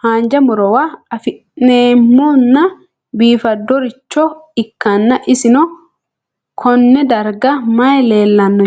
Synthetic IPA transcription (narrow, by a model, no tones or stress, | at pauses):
haːnd͡ʒɐmʊɾɔwaɐfɪʔneːmːoːnːɐ | biːfɐd̪ːɔɾɪt͡ʃːɔɪkːɐnːɐʔɪsɪnɔ | kʰɔnːɛd̪ɐɾɡɐmɐjle̞ːlːɐnːɔ